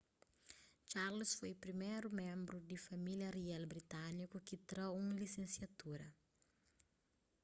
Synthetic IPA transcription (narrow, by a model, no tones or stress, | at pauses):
t͡ʃaɾlusfojpɾimejɾumẽmbɾud̪ifamiljɐriɛlbɾit̪anikukit̪ɾowũlisẽnsjat̪uɾɐ